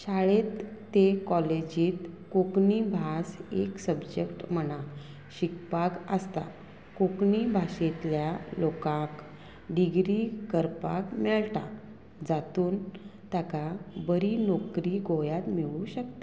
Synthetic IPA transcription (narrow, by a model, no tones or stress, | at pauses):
ɕaɭet̪ːekɔled͡ʑiːt̪kokɳibʱaseksəbd͡ʑekʈm̤əɽ̃a | ɕikpakəst̪a̰ | kokɳibʱaɕet̪ljalokãk | ɖiɡɾikəɾpakmɛɭt̪a̰ | d͡zat̪uːnt̪jakabəɾinokɾiɡʱojat̪miʋuɕək̚t̪ḁ